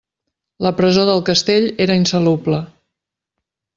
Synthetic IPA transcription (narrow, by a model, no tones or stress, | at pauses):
ləpɾəzoðəlˠkəst̪eʎeɾəinsəlublə